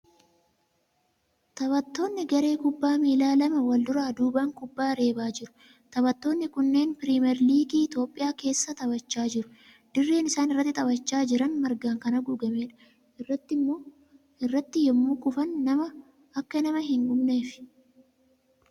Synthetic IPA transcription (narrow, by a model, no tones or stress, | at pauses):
t̪ɐbɐt̪ːo̞ːnːɪɡɐɾe̞ːkʊbːaːmiːlaːlɐmɐwɐld̪ʊɾaːd̪uːbɐŋkʊbːaːɾe̞ːbaːd͡ʒɪɾʊ̥ | t̪ɐbɐt̪ːo̞ːnːɪkʊnːe̞ːnpɪɾimɛɾliːɡiːɪt̪o̞ːpʼːɪjaːke̞ːsːɐt̪ʼɐbɐt͡ʃːaːd͡ʒɪɾʊ̥ | d̪̥ɪrːe̞ːnɪsaːnɪrːɐt̪ːɪt̪ʼɐbɐt͡ʃːaːd͡ʒɪɾɐnmɐɾɡaːŋkɐnɐɡʊɡɐme̞ːᶑɐ̥ | ʔɪrːɐt̪ːɪmːo̞ː | ɪrːɐt̪ːɪjɛmːuːkʊfɐnːɐmɐ | ɐkːɐnɐmɐɦɪŋɡʊmne̞ːfɪ̥